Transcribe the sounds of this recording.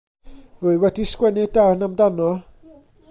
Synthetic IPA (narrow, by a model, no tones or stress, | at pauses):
rʊɨwɛdiskwɛnɪdawnamdanɔ